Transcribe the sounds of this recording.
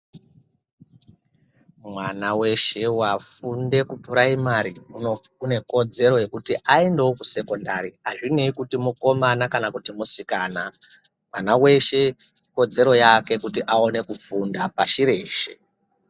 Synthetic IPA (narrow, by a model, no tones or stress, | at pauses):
mwanawe̞ʃe̞wafunde̞kupuɾaimaɾiuoune̞ko̞d͡ze̞ɾo̞je̞kutiʔaendewokuse̞ko̞ndaɾiaʐineikutimuko̞manakanakutimusikaːna | manawe̞ʃe̞ | ko̞d͡ze̞ɾo̞jake̞kutiʔao̞ne̞kufundapaʃiɾe̞ːʃe̞̰